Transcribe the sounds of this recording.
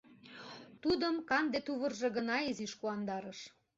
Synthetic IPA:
t̪ud̪əmkɑnd̪et̪uβərʒĕɣə̆nɑeziʃkuɑnd̪ɑɾəʃ

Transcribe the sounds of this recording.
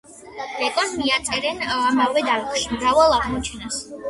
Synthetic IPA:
dɛk̪ʼɔnmiat̪sʼɛɾɛnamavɛd̪aɾɛχʃimɾavalˠaʁmɔt͡ʃʰɛnas

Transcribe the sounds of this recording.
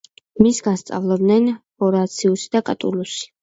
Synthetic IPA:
misɡanst̪sʼa̰vlˠɛbd̪nɛnpʼɔɾat̪sʰiusi̥d̪akʼat̪ʼulusi̥

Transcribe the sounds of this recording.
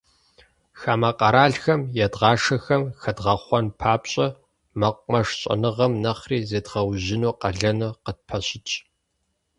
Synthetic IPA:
xaːmɐqɐɾaːɮxɐmjɛdʁɑːʂɐxɐmxɐdʁɐχʷɔnpʰaːpɕʼɐ | mɐqʷmɐʂɕʼɐ̰nɨʁɐmnɐχriːzeːdʁɐwʑɪnuːqɐɮɐnɨqət̚pʰɐɕɪt͡ʃʼ

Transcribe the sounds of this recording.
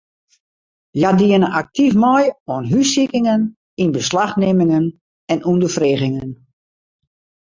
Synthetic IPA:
jadiənəʔak̚tifmɔjonɦysikɪŋən | inbəslaxnɪmɪŋən | ɛnundəfreːɣɪŋən

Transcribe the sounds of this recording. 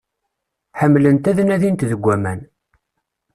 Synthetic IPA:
ħəmːlənt̪æðnæðint̪ðəɡʷːæmæn

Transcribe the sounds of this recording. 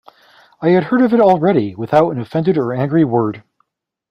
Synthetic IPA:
aɪɨd̚hɜ˞ɾʌvɨɾl̩ˠɹɛɾiwɨθaʊɾɨ̃nɨfɛ̃ndɨɾə˞æ̃ŋɡɹiwɜ˞d̥

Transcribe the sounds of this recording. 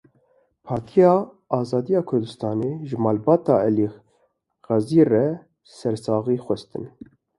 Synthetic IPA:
pʰɑːɾt̪ʰijɑː | ɑːzɑːd̪ijɑːkʰʊɾd̪ɨst̪ɑːneːʒɨmɑːlbɑːt̪ɑːɛli | ɣɑziːrɛ | sɛɾsɑːɣiːxʷɛst̪ɨ̰n

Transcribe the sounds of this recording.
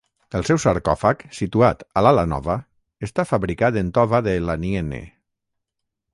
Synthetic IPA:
əlˠsɛwsaɾkɔfaksit̪uat̪alalanɔ̰βa | est̪afaβɾikat̪ent̪ɔβaðelanienḛ

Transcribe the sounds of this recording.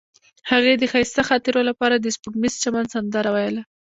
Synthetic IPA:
haɣed̪əxɑjst̪axɑt̪ɪɾolapɑɾad̪əspʊɡmizt͡ʃamand̪sand̪aɾawajəla

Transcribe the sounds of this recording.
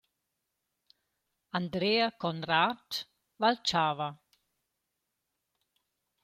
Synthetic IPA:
and̪ɾeakɔnɾat | valt͡ʃaːva

